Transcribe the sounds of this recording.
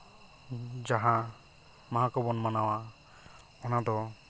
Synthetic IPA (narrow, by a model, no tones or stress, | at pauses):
d͡ʒaɦã | maɦakɔbɔnmanawa | ɔnad̪ɔ